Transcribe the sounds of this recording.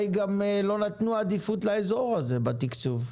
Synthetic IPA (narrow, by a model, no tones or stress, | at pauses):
jɡamlo̞nat̪nuaːd̪ifutlaezo̞ʁhaze̞bat̪ikt͡suv